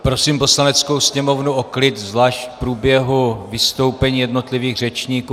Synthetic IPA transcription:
pɾosiːmpo̞slanɛt͡skowsɲɛmo̞vnuʔoklɪt̪zlaːʃcpɾuːbjɛɦuvɪst̪o̞wpɛɲiːjɛdno̞t̪lɪviːɣr̝ɛt͡ʃɲiːkuː

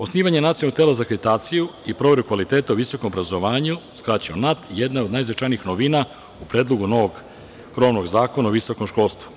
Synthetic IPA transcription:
osniːʋaɲenat̪ionot̪eːlˠazakɾet̪aːt̪sijuipɾo̞ʋe̞ɾukʋalit̪e̞ːt̪auʋiso̞komobɾazoʋaːɲuskɾat͡ɕionat̪jed̪naod̪najzʋet͡ʃajnixnoʋiːna | upɾeːd̪lˠo̞ɡuno̞ʋoɡ | kɾo̞ʋno̞ɡzaːko̞naoʋiso̞komʃko̞lˠst̪ʋu̥

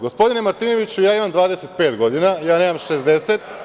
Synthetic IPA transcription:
ɡospo̞d̪ine̞maɾt̪iːno̞ʋit͡ɕujaːimamd̪ʋaːd̪ese̞t̪̚pe̞ːt̪ɡo̞d̪inajaːne̞ːmamʃezd̪eset̪

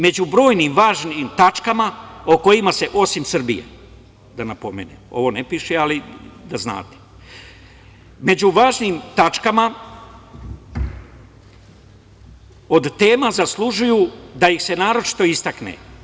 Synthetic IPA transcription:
me̞d͡ʑubɾo̞ːjnimʋaːʒniːmt̪at͡ʃkamaoko̞imase̞ʔo̞simsr̩bḭjḛ | d̪anapo̞mḛːnḛmo̞̰ʋo̞nepiʃealid̪azna̰ːt̪e̥ | me̞uʋaːʒnimt̪at͡ʃkama | o̞d̪t̪eːmazaslˠuʒujuːd̪ajixse̞naːɾo̞t͡ʃi̥t̪o̞ist̪aknḛ

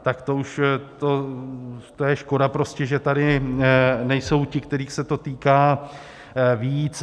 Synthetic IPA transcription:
t̪akt̪ouʃt̪o | t̪ojɛʃko̞dapɾo̞scɛʒɛt̪adɪ | nɛjso̞wcɪkt̪ɛɾiːxsɛt̪o̞t̪iːkaː | viːt͡s

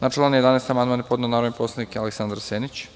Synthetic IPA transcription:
naʈ͡ʂlanijd̪aneːst̪amand̪maːnepod̪nanaːɾonipo̞slanikealeksand̪ɾaseːnit͡ɕ

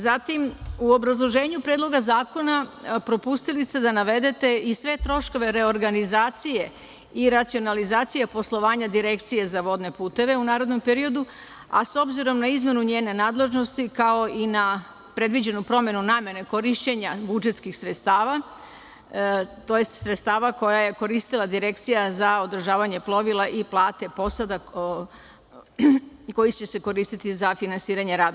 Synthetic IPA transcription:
zat̪imuo̞bɾazlˠo̞ʒe̞ːɲupɾed̪lˠo̞ɡazaːko̞napɾo̞pust̪ilist̪e̞d̪anaʋe̞d̪e̞t̪e̞isʋe̞t̪ɾo̞ʃko̞ʋe̞ɾe̞o̞ɾɡanizaːt̪sije̞ | iɾat̪sio̞nalizaːt̪sijepo̞slˠo̞ʋaːɲad̪iɾe̞kt̪sije̞zaʋo̞d̪ne̞puːt̪e̞ʋe̞unaːɾo̞d̪no̞mpe̞ɾio̞d̪u | a̰so̞bziɾo̞mnaizme̞nuɲeːne̞naːd̪le̞ʒno̞st̪ikao̞ina | pɾe̞d̪ʋid͡ʑe̞nupɾo̞mje̞nunaːmje̞neko̞ɾiʃt͡ɕe̞ɲabud͡ʒet̪skixsɾet̪st̪aːʋa | t̪o̞je̞st̪sɾet̪st̪aːʋako̞jaje̞ko̞ɾist̪ilˠad̪iɾe̞kt̪sijazao̞d̪r̩ʒaːʋaɲe̞plˠo̞ʋilˠaʔiplˠaːt̪e̞po̞sad̪a | ko̞jit͡ɕe̞se̞ko̞ɾiːst̪it̪izafinansiːɾaɲe̞ɾaːd̪

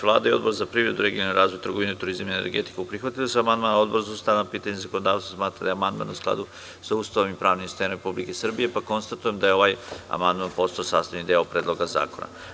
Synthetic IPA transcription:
ʋlˠa̰ːd̪aio̞d̪bo̞ɾzapɾiːvɾe̞d̪uɾe̞ɡioniɾaːzʋojt̪ɾrɡoʋinet̪uɾizamenḛɾɡḛt̪i̥keupɾixʋat̪ilasuamand̪maːnao̞d̪boɾzauːst̪aʋnapiːt̪aɲezakonod̪aːʋsasmaːt̪ɾad̪aeamand̪ma̰nusklˠa̰d̪u | saust̪aʋimipɾaːʋnimst̪enɾepublikesr̩bije̞pako̞nst̪at̪ujemd̪ajeo̞ʋaːja̰mand̪manpo̞st̪aosaːst̪aʋnid̪eopɾeːd̪lo̞ɡaza̰ːkona̰

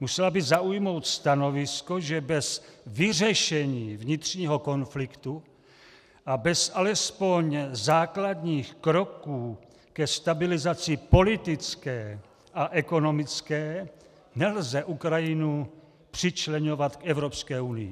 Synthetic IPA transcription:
musɛlabɪzaujmo̞wt̪st̪ano̞vɪsko̞ʒɛbɛzvɪrɛʃɛɲiːvɲɪt̪r̝̥ɲiːɦo̞ko̞nflɪkt̪u | ʔabɛsʔalɛspo̞ɲzaːklad̪ɲiːxkɾo̞kuː | kɛst̪abɪlɪzat͡sɪpo̞lɪt̪ɪt͡skɛː | ʔaʔɛko̞no̞mɪt͡skɛː | nɛlzɛʔukɾajɪnu | pr̝̥ɪt͡ʃlɛɲo̞vat̪kʔɛvɾo̞pskɛːunɪjɪ̰

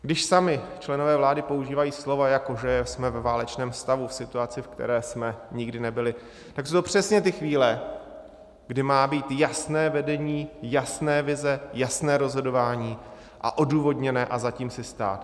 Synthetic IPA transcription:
ɡdɪʃsamɪt͡ʃlɛnovɛːvlaːdɪpo̞uʒiːvajiːslo̞vajako̞ʒɛsmɛvɛvaːlɛt͡ʃnɛːmst̪avufsɪt̪uat͡sɪfkt̪ɛ̰ɾɛːsmɛɲɪɡdɪnɛbɪlɪ | t̪aksowt̪opr̝̥ɛsɲɛt̪ɪxviːlɛ | ɡdɪmaːbiːt̪jasnɛːvɛdɛɲiːjasnɛːvɪzɛjasnɛːɾo̞zɦo̞do̞vaːɲiː | ʔa̰ʔo̞duːvo̞dɲɛnɛːʔazaciːmsɪst̪a̰ːt̪

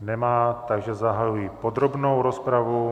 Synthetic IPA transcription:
nɛmaːt̪aɡʒɛzaɦajujiːpod̪ɾobnowɾospɾavu

